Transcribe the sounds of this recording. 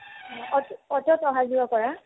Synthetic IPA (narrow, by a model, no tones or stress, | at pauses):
ɔtɔtɔtɔɦazuwakɔɹa